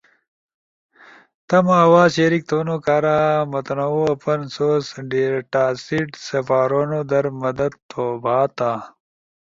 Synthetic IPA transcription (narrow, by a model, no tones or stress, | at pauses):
t̪ɐmawaːzɕeɾik̚t̪ʰoːnokaːɾaːmɐt̪nɐuɐpɐnsoːsɖeːɾʈaːsiʈsɐfaːɾonod̪ɐɾmɐd̪ɐd̪̚t̪oːbʱaːt̪a